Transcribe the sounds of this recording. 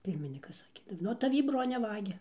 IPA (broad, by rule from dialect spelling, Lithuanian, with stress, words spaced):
ˈpʲɪrʲmʲɪnʲiːkɐs ˈsɑːkʲeː nuɔ tɐˈʋʲiː ˈbroːnʲɛ ˈʋɑːɡʲɛ